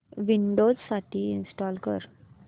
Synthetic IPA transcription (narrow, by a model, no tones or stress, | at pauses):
ʋiɳɖod͡zsaʈiinsʈɔːlkə̰ɾ